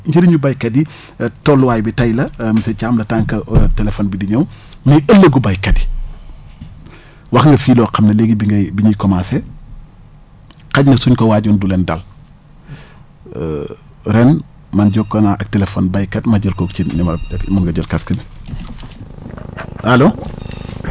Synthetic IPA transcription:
ɲɟiɾiɲubɐjkɐdi | tɔlːwaːjbitɐjlɐmɐsɛcaːmlɐtaŋkɐtɛlɛfɔːnbidiɲɔwmɐʔəlːɐɡubɐjkɐdi̥ | wɐxŋɡɐfiːlɔːqɐmnɐleɡibiŋɡɐbiɲujkɔmasɛ | kɐɟnɐsuɲkɐwaːɟɔːndulɛndɐl | ɾɛn | mɐnɟɔkːɐnaʔɐk̚tɛlefɔnbɐjkɐdmɐɟəlkɔːk̚cinimɐmɐŋɡɐɟɐlkɐskin | ɐloː

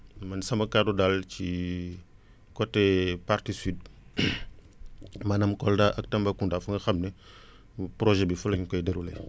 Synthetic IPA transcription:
mɐnisɐmɐkadudalt͡ʃi | kɔtːɛpartisiːd̚ | mɐnɐmkɔldaʔɐk̚tɐmbakundafuŋɡɐxɐmnɛ | pɾɔʒɛbifulɐɲkɔjdəɾulɛ

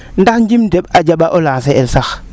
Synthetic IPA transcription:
ndaxd͡ʒimdeɓad͡ʒaɓaʔolãːns̬eʔɛlsax

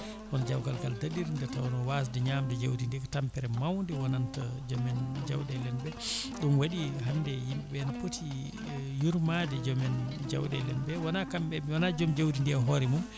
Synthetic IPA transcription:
kɔnad͡ʒawkalkaldadiɾindɛtawɔnɔwas̬dɛɲamdɛd͡ʒawdindɛkɔtampɛɾɛmawndiwanantad͡ʒɔmɛnd͡ʒawɗɛlɛnbɛɗunwaɗiɦanːdɛjimɛɓɛnapotʰi | juɾmadɛd͡ʒɔmɛnd͡ʒa̰wɗɛ̰lɛnbɛwanakamɛwanad͡ʒɔmd͡ʒawdindiaɦɔɾɛmum

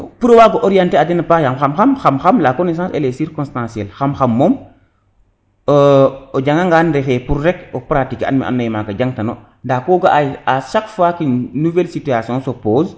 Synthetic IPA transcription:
puɾowaːɡoʔoɾijãnteadɛnɐpajamxamxamxamxamlakones̬ãːsḛlesiɾkɔ̃nstãsiɛlxamxamːoːm | od͡ʒaŋɡaŋɡaːnɾɛfɛːpuɾːɛkopɾatika̰nmḭʔa̰nːɐjimakɐɟaŋtɐno̰ | ndakoːɡaaʃakfakinuvɛlsityasijɔ̃sopoːz

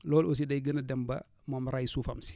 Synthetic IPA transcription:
lɔːlos̬idɐjɡənadɛmbɐ̰ | momɾajsuːfɐmsi̥

